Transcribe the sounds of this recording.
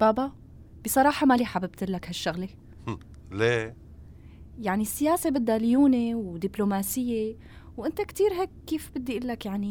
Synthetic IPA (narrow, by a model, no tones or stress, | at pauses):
baːba | b̥ɪsˤɑɾˤɑːħɑmaliħabɪb̚t̪lːakhaʃːʊɣle | le | jaʕnisːɪjaːsebɪd̪ːaljuːnewd̪ɪblomaːsɪjːe | wʔɪnt̪akt̪iːɾɦeːkːiːfbɪd̪ːiʔɪlːakjaʕni